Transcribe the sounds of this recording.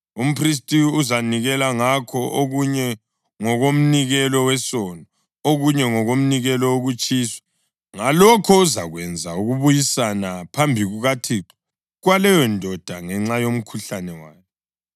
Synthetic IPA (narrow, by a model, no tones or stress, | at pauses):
um̩pʰris̬tʼiuzaniɣɛlaŋakʰɔʔoɣuɲɛ | ŋɔɣom̩niɣɛlɔwɛsɔnɔ | oɣuɲɛŋɔɣom̩niɣɛlɔoɣut͡ʃʼiːswɛ̥ | ŋalɔkʰɔuza̰ɣwɛnd͡zʱauɣuβujisanapʰambʱiɣuɣatʰiːǃi̥ | ɣwalɛjɔndʱɔd̥ʱaŋɛŋ͡ǁajom̩kʰuɬanɛwaːkʰɛ